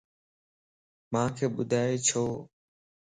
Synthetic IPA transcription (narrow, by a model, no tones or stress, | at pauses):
mãːkʰeːɓʊd̪ʱaːeːt͡ʃʰoː